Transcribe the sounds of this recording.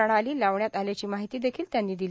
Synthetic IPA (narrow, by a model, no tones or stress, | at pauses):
əɳ̃aliːlaʋɳjat̪aljat͡ɕiːmaɦit̪iːd̪ekʰiːlt̪janːiːd̪il